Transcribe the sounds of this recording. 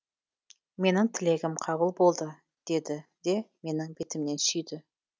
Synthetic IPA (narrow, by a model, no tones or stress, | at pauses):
me̞nɪŋt̪ʰɪle̞ɡʲɪmqʰɑβəlˠbo̞lˠd̪ə | d̪̥e̞d̪ɪd̪̥e̞me̞nɪŋbet̪ɪmne̞nsʏjd̪ɪ